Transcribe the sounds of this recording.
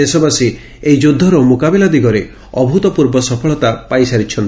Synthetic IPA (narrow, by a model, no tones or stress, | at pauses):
esɔbasi | ejd͡ʒud̪ʱːɔɾɔmokabilad̪iɡɔɾe | ɔbʱut̪ɔpuɾbɔsɔpʰɔɭɔt̪apajsaɾit͡ʃʰɔnt̪